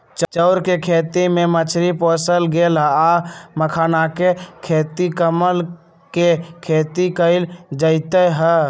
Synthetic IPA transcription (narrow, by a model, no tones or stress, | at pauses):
t͡ʃt͡ʃəʊɾkekʰet̪imemət͡ʃʰɾipɔsəlɡelɦaməkʰanakekʰet̪ikəməl | kekʰet̪ikəɪld͡ʒəɪt̪əɦə